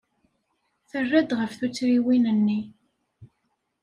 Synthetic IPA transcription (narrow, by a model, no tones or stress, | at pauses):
θərːæd̪ʁəfθut͡sːɾiwinənːi